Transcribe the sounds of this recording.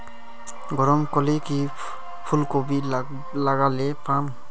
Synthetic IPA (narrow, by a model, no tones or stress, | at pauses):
ɡɔɾɔmkɔleki | pʰulkobi | laɡalɛpam